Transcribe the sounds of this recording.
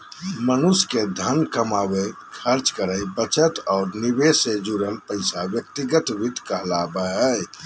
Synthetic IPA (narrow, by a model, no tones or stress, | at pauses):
mənusked̪ʱənkəmawe | kʰəɾt͡ʃkəɾəjbət͡ʃət̪ɔːɾnibesed͡ʒuɾəlpəɪsawjək̚t̪iɡət̪ʋit̪kəɦlabəɦə